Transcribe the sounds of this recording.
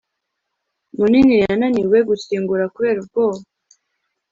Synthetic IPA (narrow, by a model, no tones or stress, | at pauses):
muninijananiwe̞ɡusiːŋɡuɾakuβe̞ːɾub̚ɡoːβa